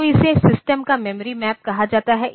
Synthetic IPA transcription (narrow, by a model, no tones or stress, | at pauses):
ɪsesɪsʈəmkamɛməɾimɛːp̚kɐɦad͡ʒaːt̪aɦɛʔ